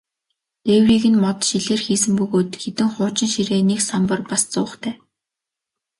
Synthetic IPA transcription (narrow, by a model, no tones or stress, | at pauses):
ewriːɣɘ̆nmɔt̪ʃiɮeːrxiːsɘ̆mpɵɣoːt̪xet̪ɘ̆ŋχʊːt͡ɕɪ̆nʃiɾeːneksampə̆rpast͡sʊːχt̪ʰæː